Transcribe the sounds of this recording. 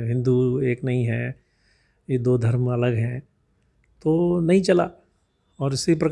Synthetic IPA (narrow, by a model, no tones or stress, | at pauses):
ɦɪ̃nd̪ueːknɐɦĩɦɛ̃ː | jed̪oːd̪ʱɐɾmɐləɡɦɛ̃ | t̪oːnɐɦĩt͡ʃɐlaː | ɔːɾɪsipɾɐk